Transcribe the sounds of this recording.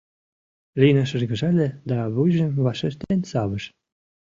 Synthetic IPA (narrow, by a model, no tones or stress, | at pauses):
lʲinɑʃɤ̆ʒɡə̆ʒɑlʲĕd̪ɑβujʒə̆mβɑʃeʃt̪enʲsɑβɤ̆ʃ